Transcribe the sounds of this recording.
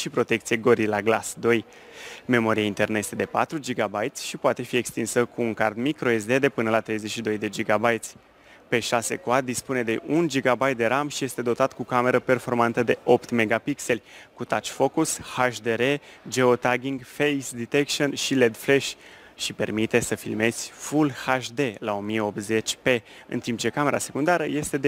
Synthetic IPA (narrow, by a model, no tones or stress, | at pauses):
ʃipɾo̞t̪e̞k̚t̪sijeɡoɾilaɡla̰sd̪o̞j | me̞mo̞ɾiaint̪e̞rnəje̞st̪e̞d̪e̞pa̰t̪ɾud͡ʒiɡabajt̪sʲʃipoat̪e̞fie̞kst̪insəkuːŋkard̪mikɾo̞es̬d̪e̞d̪e̞pɨnəlat̪ɾe̞jze̞ʃid̪o̞jd̪e̞d͡ʒiɡabajt̪sʲ | pe̞ʃase̞̰koad̪ispune̞d̪e̞ʔund͡ʒiɡabajt̪̚d̪e̞ɾamʃije̞st̪e̞d̪o̞t̪at̪kukame̞ɾəpe̞rfo̞rmant̪əd̪e̞ʔo̞pt̪me̞ɡapikse̞lʲkut̪at͡ʃfo̞kushaʃd̪eɾe̞d͡ʒe̞o̞t̪aɡʲiŋɡfejsd̪it̪ekʃonʃile̞d̪fleʃ | ʃipe̞rmit̪e̞səfilme̞z̥ʲfulhaʃd̪e̞lao̞mijeo̞p̚t̪ze̞t͡ʃʲpe̞ | ɨ̰nt̪imp̚t͡ʃe̞kame̞ɾase̞kund̪aɾəje̞st̪e̞d̪e